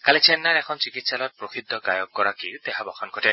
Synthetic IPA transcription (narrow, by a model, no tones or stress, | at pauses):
kalit͡ʃʰenːaɾekʰɔnt͡ʃikit̪salɔtpɾoxʰid̪ʱːɔɡa̰jɔkːɔɾakiut̪eɦabɔxɔnkɔte